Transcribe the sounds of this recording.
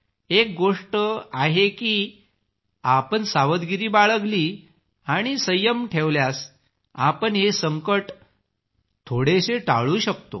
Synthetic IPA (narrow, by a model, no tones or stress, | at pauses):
ek̚ɡoʂʈəaɦekiː | apəɳsaʋəd̪ɡiɾiːbaɭəɡliː | aɽ̃isəjəmʈʰeʋljas | apəɳɦesəŋkəʈ | t̪ʰoɽeɕeʈa̰ɭuːɕəkt̪o̰